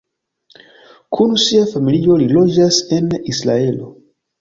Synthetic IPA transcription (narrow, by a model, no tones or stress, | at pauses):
kʰunsiafamilio̞lilo̞d͡ʒase̞nisla̰e̞lo